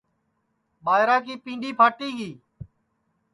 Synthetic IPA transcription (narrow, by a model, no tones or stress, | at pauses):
ɓaːɦɾaːkiːpĩːɳɖʱiːpʰaːʈiːɡiː